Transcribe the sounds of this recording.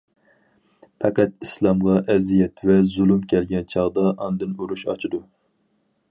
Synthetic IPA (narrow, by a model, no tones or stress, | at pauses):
pʰɛqæt̪islˠɑmʁɑʔɛzijɛt̪vɛzulˠumkʲʰɛlɡʲɛnt͡ʃʰɑʁd̪ɑʔɑnd̪ɨnoɾuʃɑ̰t͡ʃʰid̪u